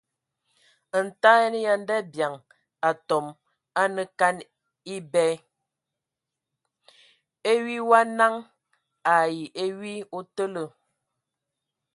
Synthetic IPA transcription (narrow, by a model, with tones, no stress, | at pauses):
n̩˨ta˦ɛ˦n˦ja˦n˦dɛ˦bja˨ŋ | a˨tɔ˨m | a˦nə˦ka˦n | i˦bɛ˦ | e˦ɥi˦wa˦na˦ŋ | a˨ji˨ʔe˦wi˦o˦tə˦lə˦˨